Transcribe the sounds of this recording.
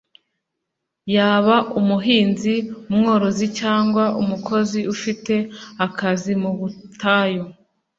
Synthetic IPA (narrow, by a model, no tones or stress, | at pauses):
jaːβaʔumuɦiːnziumŋo̞ːɾo̞zicaːŋɡwaʔumukʰo̞ziufite̞akazimuβutaːjo